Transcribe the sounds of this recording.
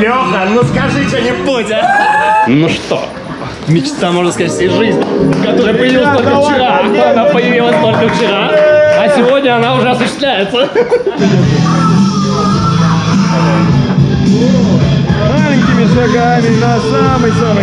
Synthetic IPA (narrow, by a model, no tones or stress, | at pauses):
lʲot̪ənoskɐʐɨt͡ɕenʲɪfputʲɪ | nuʂt̪o̞̰ | mʲɪt͡ɕt̪amo̞ʐnəskɐzat̚ʲfsʲejʐɨzʲnʲɪkɐt̪o̞ɾɨjəpəjɪvilˠəst̪olʲkəft͡ɕɪɾat̪oɐnapəjɪvʲilˠəsʲt̪o̞lʲkəft͡ɕɪɾaɐsʲɪvo̞dʲnʲəɐnaʊʐɛɐsʊɕːɪ̥st̪lʲæjɪt̪sə | malʲɪɲʲkʲɪmʲɪʂɐɡamʲɪnɐsamɨjsamɨ